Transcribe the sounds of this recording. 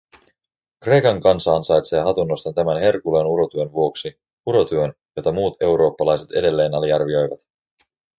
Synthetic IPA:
kre̞jkɑŋkɑnsɑːnsɑjt̪se̞ːɦɑt̪unːo̞st̪ɑt̪æmænɦe̞rkulenuɾo̞t̪yønʋuo̞ksi | uɾo̞t̪yøn | jo̞t̪ɑmuːt̪e̞wɾo̞ːpːɑlɑjse̞t̪e̞̰de̞lːe̞ːnɑliɑrʋio̞jʋɑ̰t̪

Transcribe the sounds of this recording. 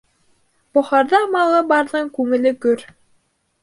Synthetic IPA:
boχɑɾd̪ɑmɑlˠɤbɑɾlɤŋkʉŋɘ̆lɘkɵɾ

